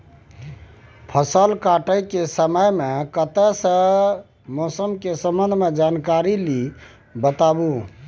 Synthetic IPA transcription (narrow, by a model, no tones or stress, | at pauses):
pʰəsəlkaʈəjkesəməjmekət̪əsə̃ | mosəmkesəmənd̪ʱmed͡ʒankaɾili | bət̪abu